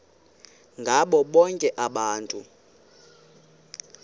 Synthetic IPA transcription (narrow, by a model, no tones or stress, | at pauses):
ŋɡʱaɓɔɓɔŋkʼɛʔaɓaːntʼu